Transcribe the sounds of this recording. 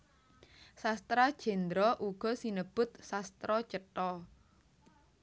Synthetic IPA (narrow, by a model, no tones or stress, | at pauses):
sast̪ɾad̥ʒ̥ɛ̤nd̪ɾɔʔuɡ̥ɔ̤sinəb̥ʊ̤t̪̚sast̪ɾɔ̥t͡ʃəʈɔ